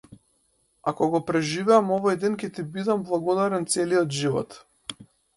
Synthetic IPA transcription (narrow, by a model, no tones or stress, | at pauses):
akɔɡɔpɾɛʒivɛamɔvɔjd̪ɛnkʲɛt̪ibid̪amblˠaɡɔd̪aɾɛnt̪sɛliɔt̪ʒivɔ̰t̪